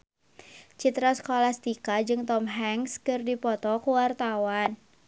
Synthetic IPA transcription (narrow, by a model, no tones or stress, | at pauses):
t͡ʃit̪ɾaskolast̪ikad͡ʒɨŋt̪ɔmɦɛŋskɨrdipɔt̪ɔkuwart̪awan